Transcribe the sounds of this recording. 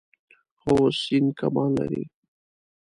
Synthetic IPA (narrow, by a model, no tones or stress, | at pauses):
xosinkamɑlːa̰ɾḭ